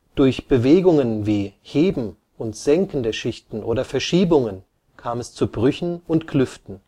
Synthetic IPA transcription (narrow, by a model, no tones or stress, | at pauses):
d̥ʊɐçb̥əveːɡʊŋənviːheːbm̩ | ʔʊntz̥ɛŋkn̩dəɐʃɪçtn̩ʔoːdɐfɛɐʃiːbʊŋən | kʰaːmɛst͡subʁʏçn̩ʊntkʰlʏftn̩